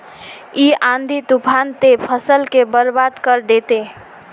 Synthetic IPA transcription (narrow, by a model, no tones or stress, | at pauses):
iãnd̪ʱit̪upʰant̪epʰəsəlkebəɾbad̪kəɾd̪et̪e